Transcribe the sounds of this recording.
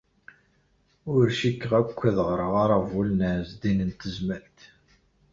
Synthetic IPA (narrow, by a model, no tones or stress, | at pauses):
ʊɾʃikːəʁækʷːəðʁɾˤəʁaɾˤavulnəʕzd̪inənt̪əzməlt̪